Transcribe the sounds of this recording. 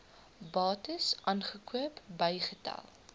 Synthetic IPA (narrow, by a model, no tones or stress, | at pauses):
bɑːtəsʔɑnχəkʰuəpbəjχətɐ̰lˠ